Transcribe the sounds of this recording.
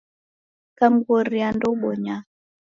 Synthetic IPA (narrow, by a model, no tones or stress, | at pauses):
kam̩ɡɔɾiandɔɓɔɲa